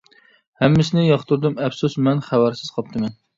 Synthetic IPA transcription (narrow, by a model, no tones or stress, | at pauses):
hɛmːɪsɪnɪjɑχt̪ʰuɾd̪ɨmɛfsusmɛnχæwæɾsɪz̥qʰɑp̚t̪ʰɨmɛn